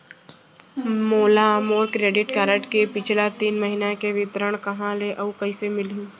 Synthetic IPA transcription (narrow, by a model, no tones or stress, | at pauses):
moːlamoːɾkɾeːɖɪʈkaːɾəʈkepɪt͡ʃʰlat̪iːnmɐɦinakeʋɪt̪ɾəɽ̃kɐɦãleʔɐukɐisemɪlɦũː